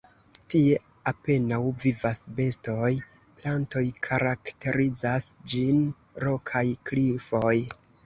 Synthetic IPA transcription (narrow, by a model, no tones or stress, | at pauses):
tie̞ | ape̞nawvivasbe̞sto̞j | planto̞jkʰaɾakte̞ɾizasd͡ʒin | ɾo̞kʰajklifo̞j